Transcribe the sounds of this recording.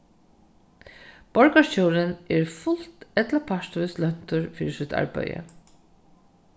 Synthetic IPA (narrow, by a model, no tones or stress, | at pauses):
b̥ɔɹkaɹt͡ɕoːɾɪnɛɹfʊl̥t̪ɛt̪lapʰaʂt̪ʏslœn̥t̪ʊɹfiːɾɪsʏt̪ʰa̰ɹpa̰jə̰